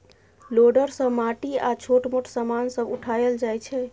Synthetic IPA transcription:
loɖəɾsəmaʈiat͡ʃʰoʈmoʈʰsəmansəbuʈʰajəld͡ʒajt͡ʃʰɛ

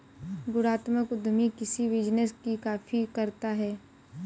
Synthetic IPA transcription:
ɡʊɾaːt̪məkʊd̪ʱmikɪsiʋɪd͡ʒnəskikaːfikɐɾt̪aɦɛː

